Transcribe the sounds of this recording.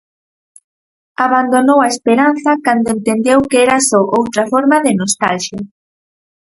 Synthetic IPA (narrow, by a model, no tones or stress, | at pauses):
aβand̪onowaespeɾanθɐkand̪oent̪end̪ewkeɛɾasɔʔowt̪ɾafɔɾmaðɪnost̪alʃja